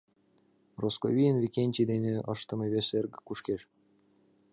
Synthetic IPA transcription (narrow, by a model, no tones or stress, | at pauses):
roskovʲijinvʲikʲenʲtʲid̪enʲeɤ̰̆ʂt̪ɤ̆mʲɤβʲesʲerɡʲɘ̆kuʂkʲeʂ